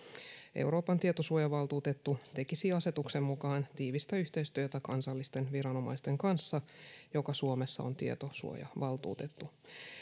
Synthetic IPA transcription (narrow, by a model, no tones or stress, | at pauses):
ʔḛwɾo̞ːpɑnt̪iet̪o̞suojɑʋɑlt̪uːt̪e̞t̪ːut̪e̞kisiɑse̞t̪ukse̞mːukɑːnt̪iːʋist̪æyçt̪e̞ist̪yøt̪ækɑnsɑlːist̪e̞nʋiɾɑno̞mɑ̰jst̪e̞ŋkɑnsːɑjo̞kɑsuome̞sːɑo̞̰nt̪iḛt̪o̞sṵo̰jɑ̰ʋɑlt̪ṵːt̪e̞t̪ːu